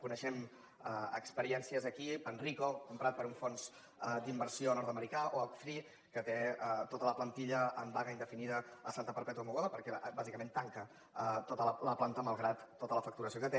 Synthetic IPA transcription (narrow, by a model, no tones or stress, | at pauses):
kunəʃɛm | əə̰kspəɾiɛnsiəzəkipənrikokumpɾat̪̚pəɾuɱfonz̥ | d̪imbəɾsionɔɾt̪əməɾikaʔoəlˠkfɾi | kət̪et̪ot̪ələplənt̪iʎəəmbaɣəind̪əfiniðəːsant̪əpəɾpɛt̪uəmuɣoðəpəɾkɛʔbazikəmẽnt̪aŋkə | ət̪ot̪ələləplant̪əməlˠɣɾat̪ːot̪ələfək̚t̪uɾəsijokət̪e